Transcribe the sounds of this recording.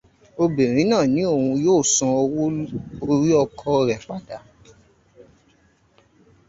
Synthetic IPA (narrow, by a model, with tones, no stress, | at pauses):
o˧be˨ɾ̃ĩ˨˦nãː˦˨nĩ˨˦o˦˨ũ˧joː˦˨sã˧o˧wo˧ɾi˦ɔ˧kʰɔ˧ɾɛ˨k͡pa˨da˨˦